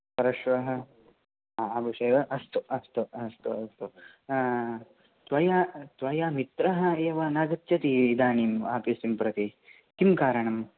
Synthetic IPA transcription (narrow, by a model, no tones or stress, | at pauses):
pɐɾɐʃʋɐɦɐ̆ | ɐbʱuʂeːʋɐʔɐst̪uɐst̪uɐst̪uɐst̪u | t̪ʋɐjaːt̪ʋɐjaːmit̪ɾɐɦɐ̆eːʋɐnaːɡɐt̪ːt͡ʃɐt̪iid̪aːniːmaːpisimpɾɐt̪i | kimkaːɾɐɳɐm